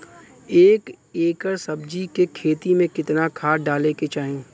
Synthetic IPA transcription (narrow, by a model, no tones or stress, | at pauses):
eːk | eːkəɾsɐbd͡ʒikekʰeːt̪imẽkɪt̪nakʰaːɖaːleket͡ʃaːɦẽː